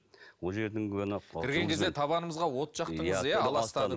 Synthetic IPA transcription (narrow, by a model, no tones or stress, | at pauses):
wolˠʒe̞ɾd̪ɪŋkʲɵnɪqʰʲɪɾɡɡe̞ŋkʰʲe̞zd̪et̪ʰɑβɑnəməzʁɑwo̞t̪ʒɑqt̪əjəzjæɑlˠɑsst̪ɑə